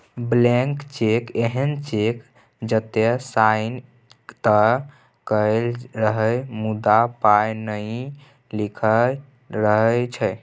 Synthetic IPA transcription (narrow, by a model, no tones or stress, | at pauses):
blɛ̃ŋkt͡ʃekeɦənt͡ʃek | d͡ʒət̪esan | t̪ə | kəelɾəɦəjmud̪apajnəɪ | likʰə | ɾəɦət͡ʃʰəj